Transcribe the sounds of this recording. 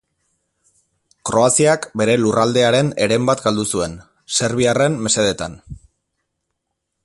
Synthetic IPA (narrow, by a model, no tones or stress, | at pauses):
kɾo̞asiakbe̞ɾe̞lurald̪e̞aɾe̞ne̞ɾe̞mbat̪ɡald̪usue̞n | se̞ɾβ̞iare̞mːe̞se̞ð̞e̞t̪a̰n